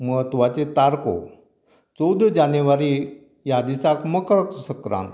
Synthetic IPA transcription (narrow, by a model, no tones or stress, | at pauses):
məɦət̪ʋat͡set̪aɾko̰ | t͡sowd̪d͡ʑanəʋaɾi | jad̪isakməkɾəksəsəkɾã̰nt̪